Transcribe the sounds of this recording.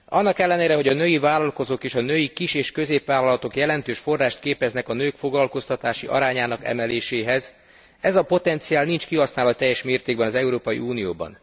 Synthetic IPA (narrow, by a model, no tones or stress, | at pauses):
ɒnːɒkɛlːɛneːɾɛɦo̞ɟɒnøjivaːlɒlko̞zoːkeːʃɒnøːjikiʃeːʃkø̞zeːpʋaːlɒlɒt̪o̞kjɛlɛnt̪øːʃfo̞rːaːʃt̪̚keːpɛznɛkɒnøːkfo̞ɡlɒlko̞st̪ɒt̪aːʃiʔɒ̰ɾaːɲaːnɒkɛ̰mɛleːʃeːɦɛz | ɛzɒpo̞t̪ɛnt̪sijaːlnint͡ʃkiɦɒsnaːlɒt̪ɛjːɛʃmeːrt̪eːɡ̚bɛnɒzɛuɾoːpɒjḭuːnijoːbɒ̰n